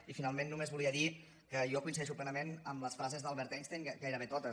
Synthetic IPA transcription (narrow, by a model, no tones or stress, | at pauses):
ifinalˠmenːumezβuliəði | kəjɔkuinsiðɛʃuplɛnəmenəmləsfɾazezðalˠβɛɾt̪ɛnst̪eŋɡajɾəβet̪ɔt̪ə